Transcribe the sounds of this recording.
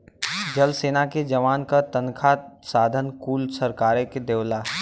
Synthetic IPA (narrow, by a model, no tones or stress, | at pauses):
d͡ʒɐlseːnaked͡ʒɐʋaːnkat̪ɐnkʰasaːd̪ʱənkuːlsɐɾkaːɾeked̪eːʋlaː